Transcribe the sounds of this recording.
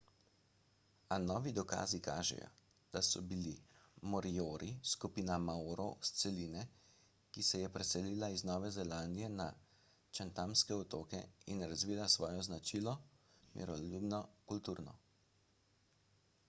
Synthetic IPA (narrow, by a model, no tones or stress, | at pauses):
anɔːʋid̪ɔka̰ːzika̰ːʒɛ̰jɔ̰ | d̪̥asɔbilimɔɾijoːɾiskupiːnamaoɾɔwst̪sɛliːnɛ | kisɛjɛpɾɛsɛliːlaiznɔːʋɛzɛlaːnd̪ijɛna | t͡ʃant̪amskɛɔt̪oːkɛ̰inɾazʋiːlasʋɔːjɔznat͡ʃilɔmḭɾɔlubnɔkult̪uːɾnɔ̰